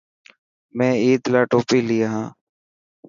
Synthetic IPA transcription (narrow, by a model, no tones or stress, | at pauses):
mɛ̃ːiːd̪laːʈoːpiːliːaːɦãː